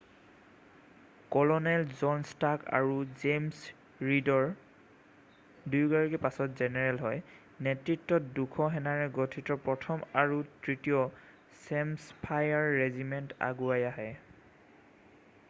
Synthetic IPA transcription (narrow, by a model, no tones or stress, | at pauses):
kɔlɔnɛlzɔnstaka̰ɹuzems | ɹidɔɹ | dujɡaɹikɛpasɔtzɛnɛɹɛlɦɔj | nɛtɹitːɔtdukʰɔɦɛnaɹɛɡɔtʰitɔpɹɔtʰɔmaɹutɹitijɔ | sɛmspʰajaɹːezimɛnta̰ɡuajaɦɛ